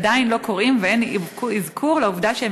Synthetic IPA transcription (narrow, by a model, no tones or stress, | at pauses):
dainlo̞ko̞ʁimveenikuizkʰuʁlauvdaʃee